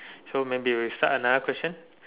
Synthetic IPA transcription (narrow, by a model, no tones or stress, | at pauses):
somẽbiwisa̰ʔənadəkʰwɛst͡ʃə̃n